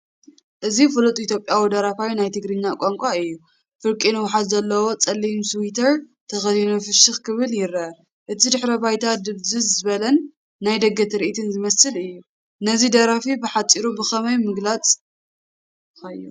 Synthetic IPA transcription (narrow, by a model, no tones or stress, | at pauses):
ʔɨzifɨlut̪ʼʔit̪jo̞pʼjawid̪ɐɾafajnajt̪ʰɨɡɾɨɲːakʷʼaŋkʷʼaɨjːu | fɨɾkʼinɨwħat̪zɐlːɐwo̞t͡sʼɐlːimswit̪ʰɐɾ | t̪ʰɐxɐzinufɨʃɨxkʰɨβɨljɪɾɐ | ʔɨt̪ʰid̪ɨħɾɐbajt̪ʰad̪ɨβzɨzzɨβɐlɐnː | ajd̪ɐɡɐt̪ʰɾiʔit̪ʰɨnzɨmɐsɨlɨjːu | nɐzid̪ɐɾafibɨħat͡sʼiɾubɨxɐmɐjmɨɡlat͡sʼ | ɐju